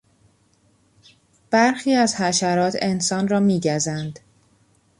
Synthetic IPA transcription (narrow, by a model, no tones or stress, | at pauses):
b̥æɾxiːæzhæʃæɾɒːt̪ʰe̞nsɒːnrɒːmiːɟæzænd̪